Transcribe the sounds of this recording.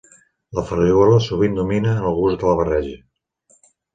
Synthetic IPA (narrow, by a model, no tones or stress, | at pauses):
ləfərioləsuβind̪uminəːnəlˠɣuzd̪ələβ̞ərɛʒə